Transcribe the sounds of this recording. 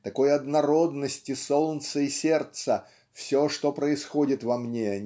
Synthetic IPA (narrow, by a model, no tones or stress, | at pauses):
t̪ɐko̞jɐd̪nɐɾo̞d̪nəsʲtʲɪsolˠnt̪səisʲert̪sə | fsʲo̞ʂt̪o̞pɾəɪsxodʲɪt̪vɐmnʲeɐ